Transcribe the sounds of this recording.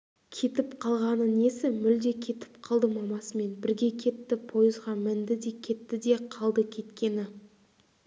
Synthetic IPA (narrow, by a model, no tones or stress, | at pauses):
kʲʰe̞t̪ɪpqʰɑlˠʁɑnəne̞sɪmʏld̪e̞kʲʰe̞t̪ɪ̥pqʰɑlˠd̪əmɑmɑsəme̞nbɪɾɡʲe̞kʲʰe̞t̪ːɪpʰo̞jəzʁɑmɪnd̪ɪd̪e̞kʲʰe̞t̪ːɪd̪e̞qʰɑlˠd̪əkʲʰe̞t̪kʲe̞nɪ